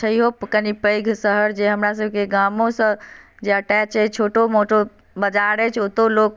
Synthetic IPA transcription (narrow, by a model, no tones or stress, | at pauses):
t͡ʃʰəiɦopkənipəɪɡʱsəɦəɾd͡ʒeɦəmɾas̬əbʱkeɡamõsə̃d͡ʒeəʈɛt͡ʃʰɛt͡ʃʰoʈomoʈʰo | bəd͡ʒaɾɛt͡ʃʰot̪oloːk